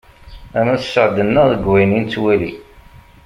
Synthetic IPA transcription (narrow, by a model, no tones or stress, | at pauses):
æmæθsːəʕd̪ənːəʁðəɡwæjnint͡sːwæli